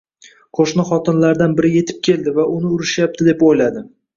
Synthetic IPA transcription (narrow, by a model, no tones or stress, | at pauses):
qʰoʃnɪχɒt̪ʰɪnlaɾd̪anbɪɾɪje̞t̪ʰɪ̥p̚kʲʰe̞ld̪ɪvaʔʊnɪʊɾɪʃjap̚t̪ʰɪd̪e̞pojlad̪ɪ